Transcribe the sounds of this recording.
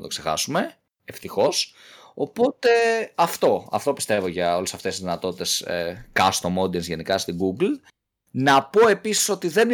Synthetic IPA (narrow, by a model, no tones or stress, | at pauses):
t̪o̞kse̞xɐ̰sume̞ | eft̪ixo̞s | o̞po̞t̪e̞ɐft̪o̞ɐ̰ft̪o̞pi̥st̪e̞vo̞ʝɐo̞lesɐft̪esizðinɐt̪o̞t̪i̥t̪e̞skɐst̪o̞mo̞d̪iɐnsʝe̞nikɐst̪iɡuɡl | nɐpo̞e̞pisi̥so̞t̪iðe̞n